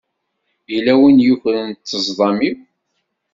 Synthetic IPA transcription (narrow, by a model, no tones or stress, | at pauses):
ilæwinjuçlənt̪ːəzˤðˤɑmiw